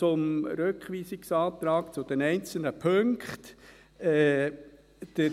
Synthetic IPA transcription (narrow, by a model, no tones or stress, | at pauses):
t͡sʊmɾøkχʋiːsɪksɑːt̪ɾɑːkt͡sʊd̪̥ɛnɛɪnt͡sl̩nəpʰɵŋkχt̪ | ɛː | d̥ə